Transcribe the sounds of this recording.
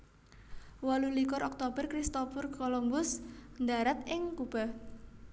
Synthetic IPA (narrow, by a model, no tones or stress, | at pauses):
walulikɔɾʔɔk̚t̪ob̥ərkɾist̪ofʊrkɔlɔmbʊsnd̪aɾat̪ɪŋkub̥a̤